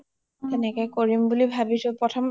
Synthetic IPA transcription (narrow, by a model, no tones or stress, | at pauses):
ɛnekekoɾimbulibʱabiʃopɔtʰom